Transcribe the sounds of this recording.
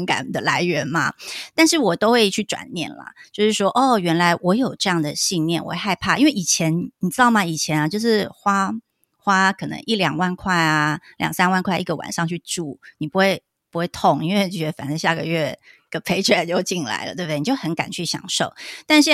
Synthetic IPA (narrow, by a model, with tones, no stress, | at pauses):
ka̰˨˩nd̪ə˨la˧˥ɪɥɛ˧˥nmɐ̰˧t̪a˥˧nʂɻ̩˥˩wɔ˨˩t̪o˥ʊxwe˥˧ɪt͡ɕʰy˥˩ʈ͡ʂwa̰˨˩nnjɛ̰˥˩nlɐ̰˩t͡ɕjo˥˧ʊʂɻ̩˥˩ʂwɔ˥ʔɔ˥˩ɥɛ˧˥nla˧˥ɪwɔ˧˥jo˨˩ʊʈ͡ʂɤ˥˧jɑ˥˩ŋd̪ə˩ɕi˥˧nnjɛ˥˩nwɔ̰˨˩˥xa˥˧ɪpʰa˥˩ʔi˥nwe˥˩ɪi˨˩t͡ɕʰjɛ˧˥nni˨˩t͡s̩˥d̪ɑ˥˩ma˨˩i˨˩t͡ɕʰjɛ˧˦˥na˧t͡ɕjo˥˧ʊʂɻ̩˥˩xwa˥ | xwa˥kʰɤ˨˩nɤ̰˧˥ŋʔi˥˩ljɑ̰˨˩ŋwa˥˧nkʰwa˥˩ɪa˩ljɑ̰˨˩ŋsa˥nwa˥˧nkʰwa˥˧ɪʔi˥˩ɡə˨wa̰˨˩nʂɑ˥˧ŋt͡ɕʰy˥˧ʈ͡ʂu˥˩ni˨˩pu˧˥xwe˥˩ɪ | pu˧˥xwe˥˩ɪt̪ʰo˨˩ŋi˥nwe˥˩ɪɛ˧˥fa̰˨˩nə˥ɕja˥˩ɡə̰˩ɥɛ˥˩ɡə˨˩pʰe˥ɪʈ͡ʂʰə˥˩˨t͡ɕjo˥˧ʊt͡ɕi˥˩nla̰˧˥ɪlə̰˦t̪we˥˧d̪ni˩jo˥˩ʊxə˧˥nka˨˩nt͡ɕʰy˥˩ɕjɑ̰˨˩ŋʂo˥˩ʊt̪a˥˧nʂɻ̩˥˧